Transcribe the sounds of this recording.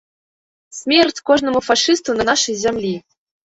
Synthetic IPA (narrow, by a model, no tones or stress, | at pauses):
smʲerʲtʲkoʒnə̆mufɑʂist̪unɤ̆nɑʃɤzʲæmʲlʲi